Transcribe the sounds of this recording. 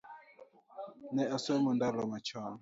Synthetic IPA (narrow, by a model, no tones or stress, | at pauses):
nɛasɛmɔndalɔmat͡ʃa